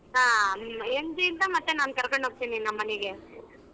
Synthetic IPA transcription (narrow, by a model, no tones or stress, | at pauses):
ɦaːend͡ʒiint̪ɐmɐt̪ːenaːnkɐɾkoɳɖɦoːɡ̚t̪ininɐmːɐnɛɡe̞